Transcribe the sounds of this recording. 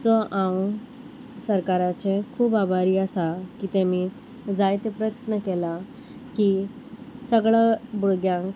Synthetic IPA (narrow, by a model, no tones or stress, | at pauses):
t͡sɔʔãw | səɾkaɾat͡sẽkʰuːbabʱaɾiːəsakit̪emiː | d͡zajt̪epɾəjət̪nəkela | ki | səɡɭabuɽɡjãŋk